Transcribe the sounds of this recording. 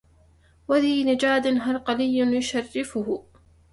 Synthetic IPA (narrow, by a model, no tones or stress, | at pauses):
waðiːnad͡ʒaːd̪ɪnɦalqɑlɪjːʊnjʊʃarːɪfʊhʊ